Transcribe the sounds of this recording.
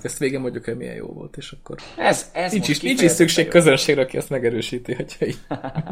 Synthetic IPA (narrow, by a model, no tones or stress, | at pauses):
ɛst̪ʋeːɡɛmːoɲjukɛmḭjɛ̰jo̰ːvo̞̰lt̪eːʃɒkːo̞̰r | int͡ʃiʃiːnt͡ʃiʃsykʃeːkkːø̞zønʃeːɡɾɛɒkiɛst̪mɛɡɛɾøːʃiːt̪iɒcɒi